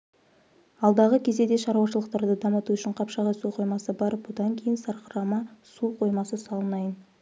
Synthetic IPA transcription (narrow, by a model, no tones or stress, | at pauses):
ɑlˠd̪ɑʁəkʲʰe̞ze̞d̪e̞ʃɑɾuwɑʃəlˠəq̚t̪ɑɾd̪əd̪ɑmət̪uʏʃɪɴqʰɑpʃɑʁɑjsuqʰo̞jmɑsəbɑɾəpbod̪ɑŋkʲʰejɪnsɑɾqəɾɑmɑsuqʰo̞jmɑsəsɑlˠənɑjən